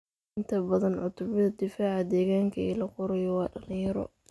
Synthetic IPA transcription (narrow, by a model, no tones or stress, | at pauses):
ɪnt̪ʰɐbɐðɐnʕʊt̪ʰʊβɪðɐd̪ɪfaːʕɐd̪ɛːɣaːŋkʰɐɛːlɐqʊɾɛjɔwɑːɖɐlɪ̃jɐɾɔ̰